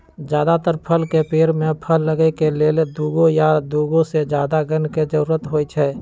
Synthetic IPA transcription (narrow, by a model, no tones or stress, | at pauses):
d͡ʒjaːd̪at̪əɾpʰəlkepeːɾmepʰəlːəɡɛkeleːld̪uːɡõjad̪uɡõsed͡ʒjaːd̪aɡənked͡ʒəɾuːɾət̪ɦojt͡ʃʰɛ